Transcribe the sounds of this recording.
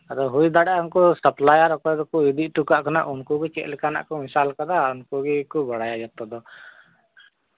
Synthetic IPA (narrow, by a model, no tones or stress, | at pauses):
aɾɔɦujd̪aɽɛaunkɔsəplajaɾɔkɔjd̪ɔkuid̪iʔʈukaʔkana̰ʔunkuɡit͡ʃɛ̰ʔlɛkana̰ʔkɔmisalkad̪aunkuɡikubɔɽajad͡ʒat̪ɔd̪ɔ